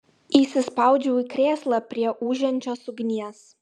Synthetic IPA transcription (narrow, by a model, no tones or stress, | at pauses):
iːsʲɪspɑˑʊd͡ʒʲɛʊikɾʲeːslˠɐpʲɾʲiɛʔuːʒʲɛnʲt͡ʃʲoːsʊɡʲnʲiɛs